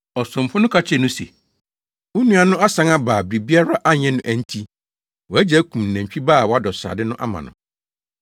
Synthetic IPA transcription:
ɔ˨sʊ̃˨mfʊ˦nʊ̃˦kʰa˦t͡ɕʰɛ˦nʊ̃˦sḛ˨ | ʊ˦nũ˦a˨nʊ̃˦ʔa˦sã˨˦ŋa˦baː˨bɾi˨bi˦a˦ɾa˦ʔa˦ɲɛ̃˦nʊ̃˦ʔæ˨n̩˦tʰi˦ | wɔ˨æ˦d͡ʑæ˦kʰũ˨m̩˨næ̃˨t͡ɕᶣi˦baː˦˨wɔ˨˦a˦dɔ˨sa̰ː˨dɪ˦nʊ̃˦ʔa̰˦mã̰˨nʊ̰̃˨

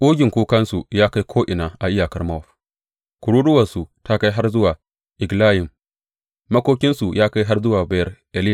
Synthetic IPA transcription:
ʔuː˦ɡʲɪ˨ŋkʷuː˦kɐ˦nsu˨jaː˦ka˦jkʷʰoː˦ʔɪ˨naː˨ʔa˨ʔɪ˦jaː˨kɐ˦rma˦˨ɸ | kʊ˨ɽuː˦dʊ˦wɐ˨rsu˨ta˦ka˦jɦa˦rzʊ˦waː˨ | ʔɪ˨ɡlaː˦jɪ˨mː | ɐ˦kʷoː˦kʲɪ˦nsu˨jaː˦ka˦jɦa˦rzʊ˦waː˨ba˦jɐ˦rʔɛ˨lɪ˦˨

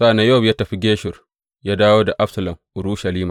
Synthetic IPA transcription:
sa˦˨na˨˦jo˦˨bjaː˦tɐ˨ɸi˦ɡʲeː˦ʃɪ˨r | jaː˦daː˦woː˦da˨ʔa˦ɸsɐ˨lɐ˨mʔʊ˨ɾuː˦ʃa˨liː˦ma˨

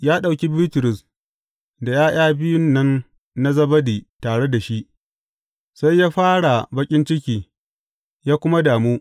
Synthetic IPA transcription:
jaː˦ɗa˨wkʲi˦biː˦tʊ˨ɾʊ˨s | da˨jaː˦j̰aː˦bɪ˦jʊ˦nːɐ˦nː | a˦zɐ˦bɐ˦diː˨taː˨ɽe˦da˨ʃi˦ʔ | sa˦jːaː˦ɸaː˦ɽa˨bɐ˦kʲʼɪ˦nt͡ʃɪ˦kʲiː˨ | jaː˦kʷʊ˦ma˦daː˨muː˦

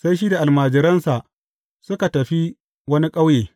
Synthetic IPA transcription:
sa˦jʃ̬iː˦da˨ʔa˨lmaː˨d͡ʒɪ˨ɾɐ˦nsa˨ʔ | sʊ˦ka˨tɐ˨ɸi˦ | wɐ˦ni˦kʼa˦wjeː˨

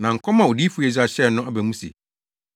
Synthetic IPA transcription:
nã˨ŋ̩˨kʰɔ˦mã˨o˨di˦fu˦ɛ˨d͡ʑa˨ɕɛ˦˨nʊ̃˦a˦bæ˨mũ˦sḛ˨

